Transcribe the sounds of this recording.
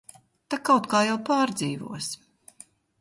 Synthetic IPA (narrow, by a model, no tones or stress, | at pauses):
t̪akawt̪kaːjawpaːɾd̪ziːvṵɔs